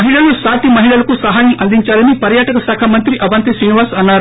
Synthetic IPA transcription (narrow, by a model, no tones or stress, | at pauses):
ɐɦiɭɐlusaːt̪imɐɦiɭɐlɐkusɐɦaːjɐmʔɐld̪iɲt͡ʃaːlɐnipɐɾjaːʈɐkɐsaːkʰaːmɐnt̪ɾiʔɐbɐnt̪isɾiniʋaːsɐnːaːɾ